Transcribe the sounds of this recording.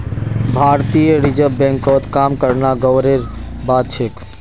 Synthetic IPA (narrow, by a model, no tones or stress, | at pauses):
bʱaɾt̪ijəɾid͡ʒəbɛ̃ŋkɔt̪kaːmkəɾnaɡəwɾeɾbad̪t͡ʃʰek